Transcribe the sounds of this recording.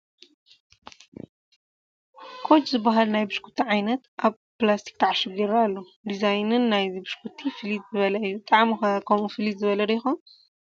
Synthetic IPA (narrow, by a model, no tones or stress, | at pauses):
kʰo̞t͡ʃzɨbːaɦalnajbɨʃkʰu̥t̪ʰiʕajnɐt̪ʔaβ | plast̪ʰi̥k̚t̪ʰaʕaʃɨbiɾalːo | d̪izajnɨnːajibɨʃkʰut̪ʰːifɨlid̪zɨβɐlɐjːut̪ʼaʕmixɐkʰɐmufɨlid̪zɨβɐlɐlɐjɪxon